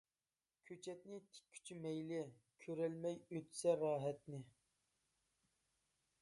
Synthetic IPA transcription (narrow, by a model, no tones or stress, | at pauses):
kʲʰøt͡ʃʰɛt̪nɪt̪ʰɪ̥kʲʰːy̥t͡ʃʰymɛjlɪkʲʰøɾɛlmɛjøt̪ʰsɛɾɑːɦɛt̪nɪ